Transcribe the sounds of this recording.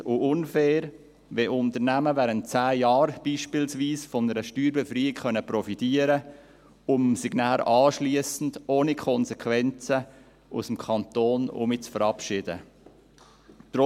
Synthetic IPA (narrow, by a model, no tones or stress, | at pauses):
ʊʊnfɛːɾ | ʋɛʔʊnt̪əɾnæməʋæːɾənt̚t͡sæːjɑːɾb̥iːʃpɪlsʋiːsfɔnəɾəʃtyːɾbɛfɾiːɪkχœnəpɾɔfitiːəɾə | ʊmsiɡnɑːlʔɑːʃliəsn̩doːnikʰχɔnsɛkʋɛnt͡sə | ʔṵsəm̩kʰɑnt̪oːnʊ̰mit͡sfəɾɑpʃɪd̥ə̰ | t̪ɾɔ